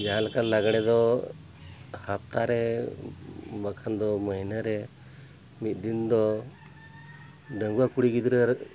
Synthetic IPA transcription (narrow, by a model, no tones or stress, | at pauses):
d͡ʒaɦalakanːaɡɽ̃ɛd̪ɔ | hap̚t̪aɾɛ | bakʰand̪ɔməɦinaɾɛ | mit̪̚ˀd̪ind̪ɔ | ɖəŋɡuwakuɽiɡid̪ɾə